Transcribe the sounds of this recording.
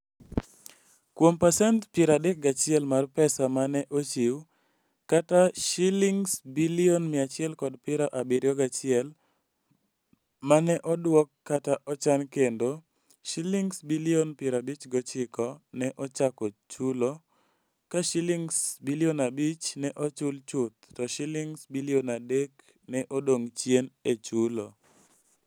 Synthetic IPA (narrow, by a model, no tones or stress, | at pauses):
kwompasɛntpɪɾadɛk̚ɡat͡ʃɪɛlmarpɛsamanɛʔot͡ʃiw | kataʃiliŋsbilionmɪat͡ʃɪɛlkɔdpɪɾaʔabɪɾjɔɡat͡ʃɪɛl | manɛʔɔdwɔkːataʔɔt͡ʃankendo | ʃiliŋsbilionpɪɾabit͡ʃɡɔt͡ʃɪkɔnɛʔɔt͡ʃakɔt͡ʃulo | kaʃiliŋsbilionabit͡ʃnɛʔɔt͡ʃʊlt͡ʃʊt̪̚ːɔʃiliŋsbilionadek | nɛʔodoŋt͡ʃjenet͡ʃulo